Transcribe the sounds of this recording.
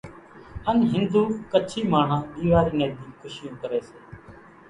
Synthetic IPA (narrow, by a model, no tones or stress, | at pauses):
ənɦɪnd̪uːkət͡ʃʰiːmaːɳ̤ãːɗ̪iːʋaːɾiːnẽːd̪iːkʰʊʃɪjõːkəɾeːseː